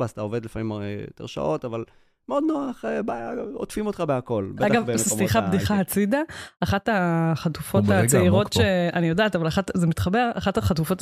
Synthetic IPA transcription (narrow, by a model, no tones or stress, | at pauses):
astaoved̪lefamimeot̪ḛʁʃa̰ʔo̞t̪aval | meod̪noaχebajaotfimot̪χabeako̞lbaɡavsiχabd̪iχaɦat͡sidaːχataχatufo̞t̪at͡seiʁo̞t̪ʃeanijo̞daːtavalaχatzemit̪χabe̞ʁaχathaχatufo̞t